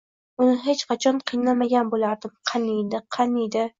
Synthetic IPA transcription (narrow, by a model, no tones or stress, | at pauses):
ʊnɪɦet͡ʃqʰɑt͡ʃʰɒnqʰɨjnamaɡʲanbolaɾd̪ɪmqʰɑnijd̪ɪqʰɑnijd̪ɪ